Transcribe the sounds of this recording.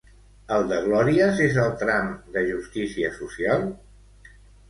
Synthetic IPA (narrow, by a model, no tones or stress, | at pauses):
əlˠd̪əɣlɔɾiəzezəlˠt̪ɾamd̪əʒust̪isiəsusialˠ